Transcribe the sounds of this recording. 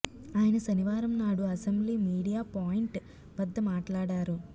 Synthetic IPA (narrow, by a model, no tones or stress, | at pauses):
aːjɐnɐsɐniʋaːɾɐmnaːɽuɐsembliːmiːɽijaːpaːjiɳʈ | ʋɐd̪ːɐmaːʈlaːɽaːɾu